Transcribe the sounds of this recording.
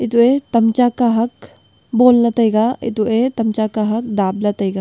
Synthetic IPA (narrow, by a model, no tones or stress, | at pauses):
ɪt̪uet̪ɐmt͡ʃakaɦɐk | boːlnɐt̪əiɡaɪ̰t̪uet̪ɐmt͡ʃakaɦɐk̚d̪aːblɐt̪əiɡa